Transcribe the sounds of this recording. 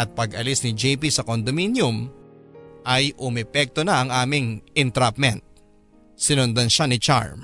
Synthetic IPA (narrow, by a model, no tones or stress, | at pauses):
ʔɐt̪̚pɐɡɐlisnɪd͡ʒɛjp̬isɐkond̪ominjʊm | ʔɐjʔʊmɛpɛk̚t̪onɐʔɐŋʔaːmɪŋɪnt̪ɾap̚mɛnt̪̚ | sɪnʊnd̪ɐnʃanɪt͡ʃa̰ɹm